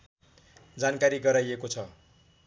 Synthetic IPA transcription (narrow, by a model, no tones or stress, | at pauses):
d͡zankaɾiɡʌɾajekot͡sʰʌ